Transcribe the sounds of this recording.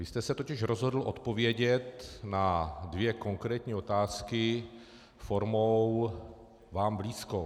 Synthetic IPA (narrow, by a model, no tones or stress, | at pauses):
vɪst̪ɛsɛt̪ocɪʃɾozɦod̪l̩ʔo̰t̪povjɛɟɛt̪nad̪vjɛkoŋkɾɛːt̪ɲiːot̪aːskɪ | foɾmow | vaːmbliːsko